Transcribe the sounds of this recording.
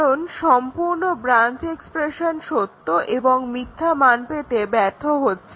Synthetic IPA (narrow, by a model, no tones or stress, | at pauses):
onʃɔmpuɾnobɾant͡ɕekspɾeʃonʃot̪ːoʔeboŋmit̪ʰːamanpet̪ebɛɾt̪ʰːoɦotːɕʰe